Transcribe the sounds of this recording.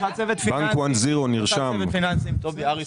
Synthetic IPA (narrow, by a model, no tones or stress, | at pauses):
at͡sevɛt̪fbaŋkwanziʁoniʁʃammfinansimt̪oviaʁi